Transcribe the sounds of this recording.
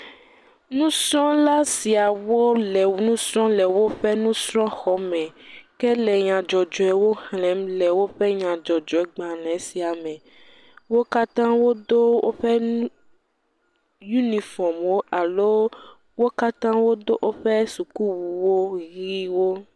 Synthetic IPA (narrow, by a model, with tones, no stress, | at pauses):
nũ˦sɾɔ̃˦la˦si˨a˨wo˦lɛ˨wu˨nũ˦sɾɔ̃˦lɛ˨wo˦ɸɛ˦nũ˦sɾɔ̃˦xɔ˨˦mɛ̃˨kɛ˦lɛ˨ɲã˨d͡ʒɔ˨d͡ʒɔ˨ɛ˨˦wo˦hlɛ̃˨˦mlɛ˨wo˦ɸɛ˦ɲã˨d͡ʒɔ˨d͡ʒɔ˨ɛ˦ɡ͡bã˨lɛ̃˨˦si˨a˨mɛ̃˨ | wo˦ka˦t̪ã˦wo˦d̪o˦wo̰˦ɸɛ˦ñ˦ | ju˦ni˨fɔ˨mwo˦ʔa˨lo˦ | wo˦ka˦t̪ã˦wo˦d̪o˦ʔo˦ɸɛ˦su˨ku˦wu˨wo˦ɣi˦wo˦